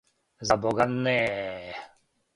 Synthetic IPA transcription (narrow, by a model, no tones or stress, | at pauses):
zabɔɡanːe